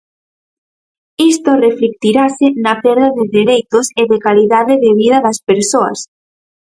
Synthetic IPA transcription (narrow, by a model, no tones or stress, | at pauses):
ist̪oreflik̚t̪iɾasɪnɐpeɾðaðɪðeɾejt̪ʊseðekaliðaðɪðɪβ̞iðɐðɐspeɾsoɐ̰s